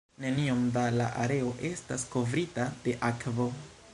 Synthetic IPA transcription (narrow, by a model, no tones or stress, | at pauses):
ne̞nio̞mdala̰ʔaɾe̞o̞ʔe̞stasko̞vɾitad̥e̞ʔakvo̞